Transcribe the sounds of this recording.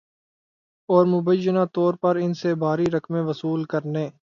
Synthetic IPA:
ɔːɾmʊbəjːənat̪ɔːɾpɐɾɪnsebʱaːɾiɾɐkmẽʋɐsuːlkəɾneː

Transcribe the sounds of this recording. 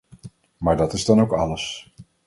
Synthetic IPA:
maːɹdɑtɪzdɑnowkɑləs

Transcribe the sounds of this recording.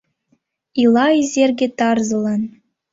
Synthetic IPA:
ilˠɑizʲerʲɡʲĕt̪ɑrzɤ̆lˠɑn

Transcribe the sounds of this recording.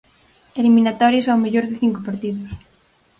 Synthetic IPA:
eliminat̪ɔɾjesawmeʎoɾðɪθiŋkopaɾt̪iðʊs

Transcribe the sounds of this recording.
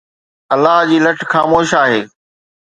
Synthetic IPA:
ɐlːaɦd͡ʑiːlɐʈʰxaːmoːʃaːɦeː

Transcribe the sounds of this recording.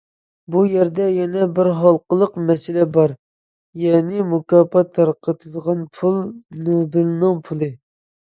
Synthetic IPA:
bujɛɾd̪ɛjɛnɛbɪɾɦɑlˠqəlˠəqmɛsɪlɛbɑɾ | jɛnɪmukɑːpɑt̪ʰːɑɾqʰət̪ʰɨd̪əʁɑnpʰulˠnobɨlnɨŋpʰulˠɨ

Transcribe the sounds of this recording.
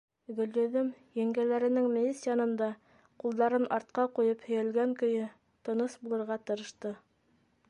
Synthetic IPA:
ɡɵ̆lːɵ̆ðɘmjæŋɡælæɾɘ̆nɘŋmʲilʲisʲijɑnɤ̆nd̪ɑ | qulˠd̪ɑɾɤnʔɑɾt̪̚qɑqujɤphɵ̆jælɡæŋkɵ̆jɘ | t̪ɤ̆nɤsbulˠɤ̆ɾʁɑt̪ɤ̆ɾɤ̆ʃt̪ɤ

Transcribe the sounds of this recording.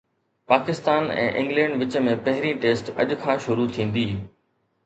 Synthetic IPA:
paːkɪst̪aːnɛ̰̃ːʔɪ̰̃ŋɡlɛ̃ːɳɖʋɪt͡ɕəmẽpɐɦɪɾĩʈeːsʈɐ̰ʄkʰãːʃʊɾut̪ʰĩːn̆d̪iː

